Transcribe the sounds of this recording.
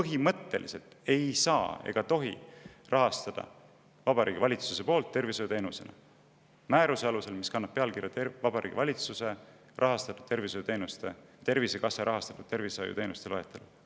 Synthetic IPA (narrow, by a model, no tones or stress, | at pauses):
pɤɦimɤt̪ːe̞̰lʔḭse̞lt̪e̞jsɑːḛɡ̥ɑt̪o̞ɦḭ | rʔɑɦɑst̪ɑd̪̥ɑ̰ | vɑb̥ɑɾiːɡivɑlʲit̪suse̞po̞ːlt̪ːe̞rvisojut̪e̞ːnusenɑ̰ | mæːɾuseɑluse̞lmiskɑnːɑb̥̚pːe̞ɑlkirjɑt̪evɑbɑɾḭɡivɑlʲit̪suse̞ | rʔɑɦɑst̪ɑt̪ːu̥t̪e̞rvisojut̪e̞ːnust̪e̞t̪e̞rvise̞kɑsːeɾʔɑɦɑst̪ɑ̥t̪ːˑud̪̥̚t̪e̞rvisojṵt̪e̞ːnust̪eloet̪ːˑelu